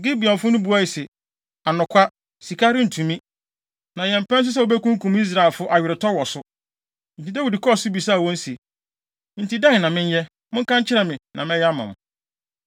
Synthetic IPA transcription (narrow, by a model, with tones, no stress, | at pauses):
ɡi˦bi˨ɔ̃˨m˨fʊ˦nʊ̃˦bu˨˦a˦i˨sɛ˨ | a˨nʊ̃˨kʷʰa˦ | si˨kʰa˦ɾɪ˦n̩˨tʰũ˨mĩ˦ | nã˨jɛ̃˨m˨pɛ̃˦n˦s̬ʊ˦s̬ɛ˦˨o˨bɛ˦kũ˦ŋ̩˦kũ˨mi˦s̬ɾa˨ɪ˨lfʊ˦ʔa˨jɥɪ˨ɾɪ˨tʰɔ˦wɔ˨sʊ˦ | n̩˨tʰi˨dɛ˦wu˨dɪ˨kʰɔ˦˨sʊ˦bi˨saː˦˨wɔ̃˦n̩˦se˨ | n̩˨ti˨dã˦ŋ˨nã˨mɪ̃˦n˦jɛ˦ | mʊ̃˦ŋ̩˦kã˦ɲ˦t͡ɕʰɪ˦ɾɛ˨mɪ̃˨nã˨mɛ̃˦jɛ˦a˦mã̰˨m˨